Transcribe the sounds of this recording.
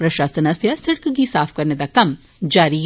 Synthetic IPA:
pɾɐʃaːsɐnɐsjasɐɽkɡisaːfʰkɐɾned̪akɐm | d͡ʒaːɾiɦ

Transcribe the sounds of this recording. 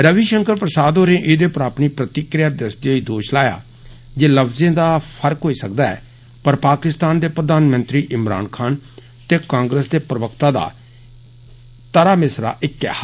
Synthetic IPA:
ɾəʋiːʃəŋkəɾpɾəsaːd̪ɦoːɾẽːʔɪd̪eːpəɾaːpniːpɾət̪ɪkɾɪjaːd̪əst̪iaiːd̪oːʃlaːja̰ː | d͡ʒeːləpʰzẽːd̪aːpʰəɾkɦoːiːsək̚d̪aːɛ̰ː | pəɾpaːkɪst̪aːnd̪eːpɾəd̪aːnmə̃nt̪ɾiːʔɪmɾa̰ːnkʰaːn | t̪eːkãːŋɡɾəsd̪eːpɾəʋəkt̪aːd̪a̰ː | t̪əɾaːmɪsɾa̰ːʔɪkːɛ̰ː

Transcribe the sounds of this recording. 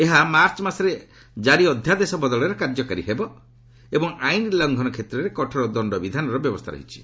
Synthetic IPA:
eɦamaɾt͡ʃɔmasɔɾe | d͡ʒaɾiɔd̪ʱjad̪esɔbɔd̪ɔɭɔɾɔkaɾd͡ʒɔkaɾiɦebɔ | ebɔŋajnlɔŋɡʱɔnɔkʰet̪ɾɔɾekɔʈʰɔɾɔd̪ɔɳɖɔbid̪ʱanɔɾɔbjɔbɔst̪ʰaɾɔ̰ɦit͡ʃʰi̥

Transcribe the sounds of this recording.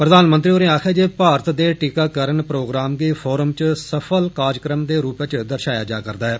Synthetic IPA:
pɾəd̪aːnmə̃nt̪ɾioːɾẽːaːkʰɛːd͡ʒeːpaːɾt̪d̪eːʈiːkaːkəɾəɳpɾoːɡɾaːmɡiːpʰɔːɾəmt͡ʃsəpʰəlkaːd͡ʒkɾəmd̪eːɾuːpet͡ʃd̪əɾʃaːjaːd͡ʒaːkəɾd̪aːɛː

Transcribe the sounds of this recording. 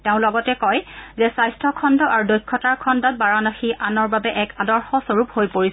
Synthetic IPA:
tɛʊ̃lɔɡɔtɛkɔjzɛsajstʰɔkʰɔndɔʔaɹudojkʰːɔtaɹkʰɔndɔt̚baɹanaxianɔɹbabɛʔɛkadɔɹxɔsoɹuphojpoɹis

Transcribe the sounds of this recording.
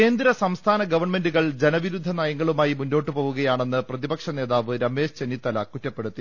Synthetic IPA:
e̞ːnd̪ɾɐsɐmst̪ʰaːnɐɡɐʋɐrɳme̞nduɣɐɭd͡ʑenɐʋiɾud̪ʱːɐnaːjɐŋːɐɭumaːjimunːo̞ːʈːɨpoːʋuɣɐjaːɳe̞nːɨprɐðibɐkʂɐne̞ːðaːʋɨɾɐme̞ːʂt͡ɕenːit̪ːɐlɐkutːɐpːe̞ɽut̪ːi

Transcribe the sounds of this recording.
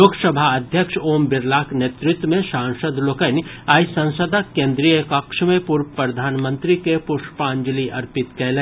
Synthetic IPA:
oːɡsəbʱaɐd̪ʱjəkʃoːmbɪɾlaːknjeːt̪ɾɪt̪wmẽʃãːŋʃəd̪ʱloːkənaːisɐ̃nsəd̪ʱakẽːnd̪ɾijəkɐkʃmẽpʊɾpɾɐd̪ʱaːnmə̃nt̪ɾikepʊʃpãːɲd͡ʒliʔɐɾpɪt̪kɛːlẽː

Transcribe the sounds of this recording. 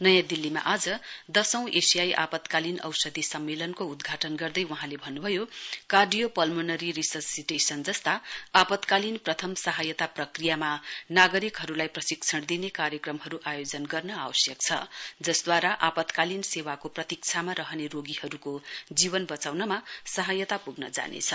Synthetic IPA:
nʌjãd̪ilːima̰ʔad͡zʌd̪ʌsʌ̃w̃ʔesijajʔa̰pʌt̪kalinʌ̰wsʌd̪ʱisʌmːelʌnkoud̪ɡʱaʈʌnɡʌrd̪ʌjwʌɦãlebʱʌnːubʱʌjokarɖijopʌlmonʌɾiɾisʌsiʈesʌnd͡zʌst̪aapʌt̪kalinprʌt̪ʰʌmsʌɦajʌt̪aprʌkrijamanaɡʌɾikɦʌɾulajprʌsikt͡sʰʌɽd̪inekaɾjʌkrʌmɦʌɾuʔajod͡zʌnɡʌrnʌawʌsjʌkt͡sʰʌ̰d͡zʌsd̪waɾaʔapʌt̪kalinsewakoprʌt̪ik̚t͡sʰamaɾʌɦʌneroɡihʌɾukod͡zibʌnbʌt͡sawnʌmasʌɦajʌt̪apuɡnʌd͡za̰nḛt͡sʰʌ

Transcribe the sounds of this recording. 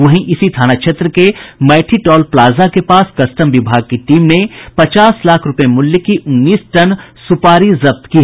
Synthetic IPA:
ʋɐɦĩʔɪsit̪ʰaːnakʃeːt̪ɾəkemɛːʈʰiʈɔːlplaːzakepaːskɐsʈəmʋɪbʱaːɡ̚kiʈiːmnepɐt͡ʃaːslaːkʰɾʊpjemʊljəkiʔʊnːiːsʈɐnsʊpaːɾizɐb̚t̪kiɦ

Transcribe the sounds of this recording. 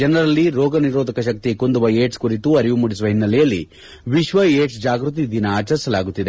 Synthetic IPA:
d͡ʒɐnɐɾɐlːiɾɔːɡɐniɾɔːd̪ʱɐkɐʃɐk̚t̪ikond̪uʋɐeːʈskuɾit̪uɐɾiʋumuɽisuʋɐɦinːɐlɛjɐlːḭ | ʋiʃʋɐeːʈsd͡ʒaːɡɾut̪̬id̪inɐaːt͡ʃɐɾsɐlaːɡut̪ːid̪e

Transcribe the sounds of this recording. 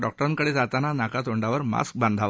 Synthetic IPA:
ɖɔk̚ʈəɾaŋkəɽiːd͡zat̪ananakat̪oɳɖaʋəɾma̰sk̚band̪ʱaʋ

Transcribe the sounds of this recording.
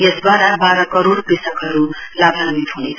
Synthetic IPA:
jesd̪waɾabaɾʌkʌɾoɽpisʌkɦʌɾulabʱamit̪ɦunet͡sʰ

